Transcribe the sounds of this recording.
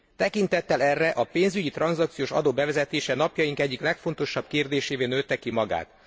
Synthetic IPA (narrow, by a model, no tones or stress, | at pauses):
t̪ɛkint̪ɛt̪ːɛlɛrːɛʔɒpeːnzyɟit̪rɒnzɒkt̪sijoːʃɒ̰d̪oːbɛvɛzɛt̪eːʃɛnɒpjɒjiŋkɛɟːiklɛkfo̞nt̪o̞ʃɒb̥keːrd̪eːʃeːveːnøːt̪ːɛkːimɒɡa̰ːt̪